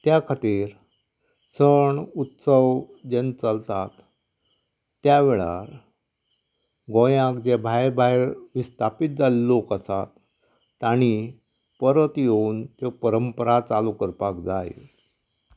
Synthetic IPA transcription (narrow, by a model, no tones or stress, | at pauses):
t̪jakʰat̪iːɾ | səɳut̪səʋd͡ʑent͡səlt̪at̪ | jaʋeɭa̰ɾ | ɡojãkd͡ʑebʱajbaɦeɾʋist̪ʰapit̪̚d͡zalːokəsat̪ː | aɽ̃i | pəɾət̪jeunt̪jopəɾəmpəɾat͡salukəɾpakd͡zaj̰